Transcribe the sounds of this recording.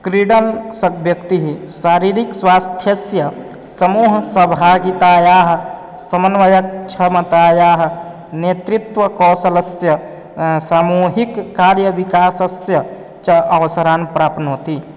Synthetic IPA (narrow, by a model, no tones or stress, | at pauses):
kɾiɽənsəkbjəkt̪iɦi | saɾiɾikswast̪ʰjəsjə | səmuːɦsəbʱaːɡit̪ajaːɦ | səmənʋəjək̚t͡ʃʰɐmət̪ajaːɦ | net̪ɾit̪ʋəkɔsələsjə | saːmuɦikːaɾjəʋikaːsəsjə | t͡ʃəʔɐʋəsəɾaːnpɾaːpnɦot̪i